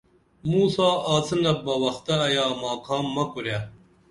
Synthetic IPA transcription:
muːsaːaːt͡sʰɨnɐbɐwɐxt̪ɐːjaːmaːkʰaːmːɐkuɾja

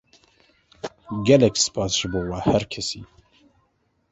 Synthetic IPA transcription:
ɡɛlɛksɨ̥pʰɑːsʒ̥ɨboːwɛhæɾkʰɛsiː

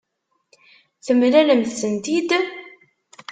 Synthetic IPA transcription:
θəmɾæləmθsənt̪id̪

